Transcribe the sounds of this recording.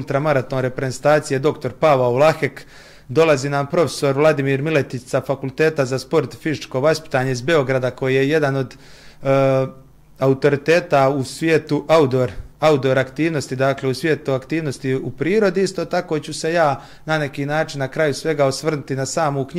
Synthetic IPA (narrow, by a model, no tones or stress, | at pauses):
ult̪ɾamaɾat̪o̞ːnɾe̞pɾezent̪aːt̪sije̞d̪o̞kt̪o̞ɾpaʋaolˠaxek | d̪o̞laziːnampɾo̞fe̥so̞ɾʋlˠad̪imiːɾmile̞t̪itsafakulˠt̪e̞ːt̪azaspo̞ɾt̪fizit͡ʃko̞ʋaspi̥t̪aːɲe̞izbe̞o̞ɡɾad̪ako̞jije̞je̞d̪ano̞d̪ | aut̪o̞ɾit̪e̞ːt̪ausʋjeːt̪uʔaud̪oɾaud̪oɾakt̪iːʋno̞st̪id̪aːkle̞usʋʲjet̪uakt̪iːʋno̞st̪iupɾiːɾo̞d̪iist̪o̞ːt̪ako̞t͡ɕuse̞jaː | nane̞kiːnaːt͡ʃinːakɾajusʋe̞ɡaosʋr̩nut̪inasaːmokɲ